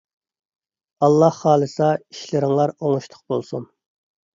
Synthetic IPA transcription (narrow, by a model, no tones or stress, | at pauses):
ɑlˠːɑhːɑːlˠɨsɑiʃlɪɾɪŋlˠɑɾoŋuʃt̪ʰʊ̥q̚bolˠsun